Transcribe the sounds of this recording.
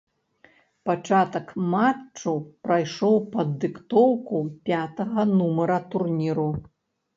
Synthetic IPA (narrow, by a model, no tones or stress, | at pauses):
pat͡ʂat̪ɐkmat͡ʂːupɾajʂɔwpɐd̪ːɨkt̪ɔwkupʲat̪ɐɣɐnumɐɾɐt̪urnʲiɾu